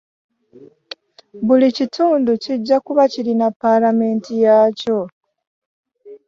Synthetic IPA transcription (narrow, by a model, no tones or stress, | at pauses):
βulicituːnduciɟːakuβacilinapːalame̞ːntijaːco̞